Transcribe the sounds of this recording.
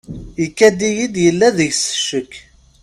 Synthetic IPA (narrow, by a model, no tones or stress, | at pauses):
ikːæd̪ijid̪jəlːæðəʝsə̥ʃəkː